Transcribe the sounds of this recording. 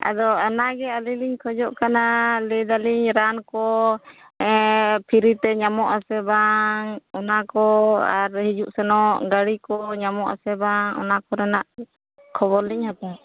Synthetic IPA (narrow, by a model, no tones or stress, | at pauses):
a̰d̪ɔɔnaɡɛaliliɲkʰɔd͡ʒɔʔkanalɛd̪aliɲɾankɔ | ɛpʰiɾit̪ɛɲamɔʔasɛbaŋɔnakɔa̰ɾhid͡ʒuʔsɛnɔʔɡaɽikɔɲamɔʔa̰sɛbaŋɔ̰nakɔɾɛnaʔ | kʰɔβɔɾliɲhat̪ɛ